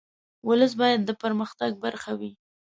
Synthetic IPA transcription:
wʊləs̬bɑjad̪ːəpəɾməxt̪aɡ̚baɾxawi

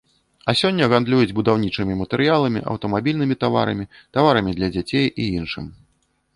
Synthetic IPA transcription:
ɐsʲɔnʲːɐɣand̪lʲujud͡zʲbud̪awnʲit͡ʂɨmʲimɐt̪ɛɾɨjalˠɐmʲḭʔɐ̰wt̪ɐmabʲilʲnɨmʲit̪ava̰ɾɐ̰mʲi | t̪avaɾɐmʲid̪lʲɐd͡zʲat͡sʲejiinʂɨ̰m

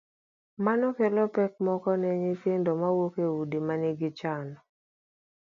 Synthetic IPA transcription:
manɔkɛlɔpɛk̚mɔkɔnɛɲipendɔmawokeudimanɪɡɪt͡ʃanɔ

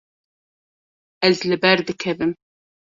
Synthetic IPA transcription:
ɛzlɨbɛɾd̪ɨkʰɛbɨm

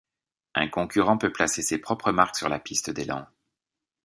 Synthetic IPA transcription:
ɛ̰̃kɔ̃kʲyʁɑ̃pøplasesepχɔpχəmaʁksyʁlapist̪əd̪elɑ̰̃

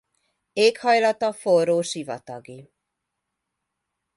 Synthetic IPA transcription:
eːkhɒjlɒt̪ɒforoːʃivɒ̰t̪ɒɡi

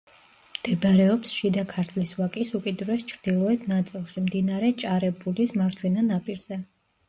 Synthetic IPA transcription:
md̪̥ɛbɾɛɔpsʃid̪akʰaɾt̪ʰlisvakʼisukʼid̪ɾuɛst͡ʃʰɾd̪̥ilˠɔɛt̪ʰnat̪sʼilˠʃimd̪inaɾɛt͡ʃʼaɾɛbulismaɾt͡ʃ̪ʰwɛnanapʼiɾz̥ɛ

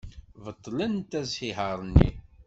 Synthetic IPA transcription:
vət̪ˤːlənt̪æzhiɦəɾˤnːḭ

